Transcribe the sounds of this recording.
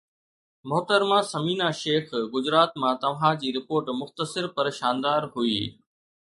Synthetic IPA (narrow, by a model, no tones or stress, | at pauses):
mʊɦt̪əɾmãːsɐmiːnaːʃeːxɡʊd͡ʑɾaːt̪mãːt̪ɐʋ̤ãd͡ʑiːɾɪpoːɾʈmʊxt̪əsɪɾpɐɾʃaːnd̪aːɾɦʊiː